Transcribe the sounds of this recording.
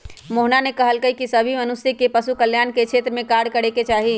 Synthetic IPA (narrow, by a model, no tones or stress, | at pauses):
moɦnanekəɦəlkəɦikisəbʱimənusikepəsukəljanket͡ʃʰet̪ɾəmẽkaɾɽkəɽeket͡ʃaːɦi